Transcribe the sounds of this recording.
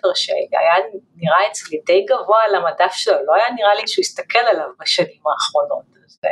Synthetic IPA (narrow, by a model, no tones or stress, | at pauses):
eʁʃḛa̰janiʁaet͡slidejɡavoalamadafʃelolo̞ajaniʁaliʃeujist̪akʰe̞lalavbaʃanimaːχʁo̞no̞̰t | ze